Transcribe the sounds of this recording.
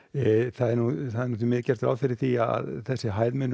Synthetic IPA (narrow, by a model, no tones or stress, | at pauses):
θaðɛɾnuθaðɛɾnut̪mɪðcɛr̥t̪ɾa̰wfɪɾɪɾ̥θia̰a̰ðθɛsːɪɦaːjðmɪnː